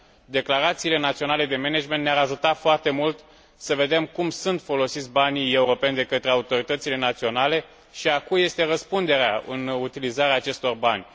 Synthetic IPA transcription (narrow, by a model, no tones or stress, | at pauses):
d̪e̞klaɾat̪siːle̞nat̪sio̞nale̞d̪e̞me̞ned͡ʒment̪neaɾaʒut̪at̪foart̪e̞mult̪ | səve̞d̪e̞mkumsunt̪fo̞lo̞sit̪sʲbanije̞uɾo̞pe̞nʲd̪e̞kət̪ɾe̞aut̪o̞ɾit̪ət̪sile̞nat̪sio̞nale̞ | ʃiakuje̞st̪e̞rəspund̪e̞ɾeaɨ̰nut̪ilizaɾeaːt͡ʃe̞st̪o̞rbanʲ